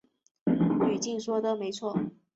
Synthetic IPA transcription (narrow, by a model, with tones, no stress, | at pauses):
y˨˩t͡ɕi˥˩nʂwɔ˥d̪ə˨me˧˥ɪt͡sʰwɔ˥˩